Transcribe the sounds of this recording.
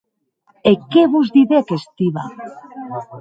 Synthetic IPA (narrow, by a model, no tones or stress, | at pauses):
ekeβuzðiðeakest̪iβa